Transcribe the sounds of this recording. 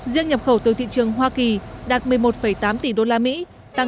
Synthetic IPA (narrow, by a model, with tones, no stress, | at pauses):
zi˧əŋɲə˨˩p̚xə˧˩wt̪ɨ˨˩t̪ʰḭ˧˨t͡ɕɨ˨˩əŋɦwaː˧ki˨˩ɗaː˨˩t̚mɨ˨˩əjmo˨˩t̚fə˧˩jt̪aː˨˦mt̪i˧˩ɗo˧laː˧mḭ˧˥ | t̪a˨˧˩